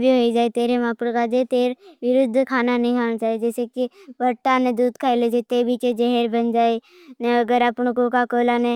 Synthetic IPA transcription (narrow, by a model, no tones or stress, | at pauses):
bʱiɦoid͡ʒaːet̪eːɾemaːpʊɽkad͡ʒet̪eːɾʋɪɾʊd̪ʱːkʰaːnanəɦĩkʰaːnat͡ʃaːied͡ʒɛːsekiʋɐɾʈanẽd̪uːd̪kʰaːeled͡ʒet̪eːbit͡ʃed͡ʒeɦeɾbɐnd͡ʒaːe | nẽəɡəɾapʊɳ̃kokakoːlanẽ